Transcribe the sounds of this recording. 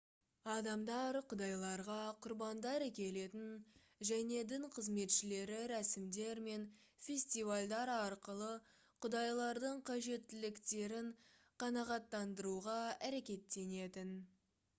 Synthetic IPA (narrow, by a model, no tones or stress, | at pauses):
ɑd̪ɑmd̪ɑɾqʰʊd̪ɑjlˠɑɾʁɑqʰʊɾbɑnd̪ɑɾækʲe̞le̞t̪ɪn | ʒæne̞d̪ɪɴqʰəzme̞t̪ʃɪle̞ɾɪɾæsɪmd̪e̞ɾme̞n | fʲe̞sʲt̪ivalʲd̪ɑɾɑɾqəlˠə | qʰʊd̪ɑjlˠɑɾd̪əɴqʰɑʒe̞t̪ːɪlɪkt̪e̞ɾɪɴ | qʰɑnɑʁɑt̪ːɑnd̪əɾuʁɑæɾe̞kʲe̞t̪ːe̞ne̞t̪ɪn